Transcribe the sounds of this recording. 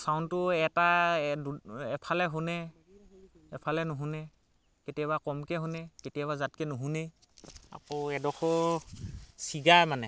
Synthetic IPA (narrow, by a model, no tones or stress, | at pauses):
santʊɛtaduɛpʰalɛɦʊnɛ | ɛpʰalɛnʊɦunɛ | ketijaβakɔmkɛɦʊnɛketijabazat̚kɛnʊɦune | a̰kɔɛdɔxɔ | siɡajmanɛ